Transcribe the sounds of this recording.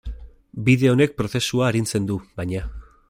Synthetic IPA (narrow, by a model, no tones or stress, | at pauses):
biðe̞o̞ne̞k̚pɾo̞θe̞suaːɾint͡se̞nd̪uβajɲa